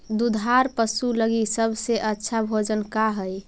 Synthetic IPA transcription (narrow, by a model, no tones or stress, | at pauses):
d̪ud̪ʱaɾpəsuləɡisəbʱseʔətːʃʰabʱod͡ʒənkaɦəj